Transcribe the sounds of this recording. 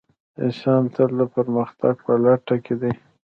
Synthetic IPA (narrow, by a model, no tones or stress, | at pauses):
eʃɑnt̪əld̪əpəɾməxt̪aɡ̚pəlaʈaked̪e